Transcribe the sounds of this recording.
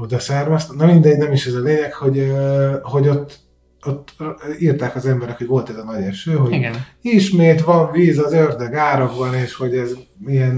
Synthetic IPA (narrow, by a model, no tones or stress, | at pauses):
od̪ɒsɛrmɛst̪ɛnɒmind̪ɛɟnɛmiʃɛzɒleːɲɛkho̞ɟ | ho̞ɟo̞t̪ː | ot̪ːirt̪aːkɒzɛmbɛɾɛkho̞ɟʋo̞lt̪ɛzɒnɒɟɛʃøːɦo̞ɟɡiʃmeːt̪ʋɒɱviːzɒzørd̪ɛɡaːɾoɡbɒneːʃho̞ɟɛzijɛn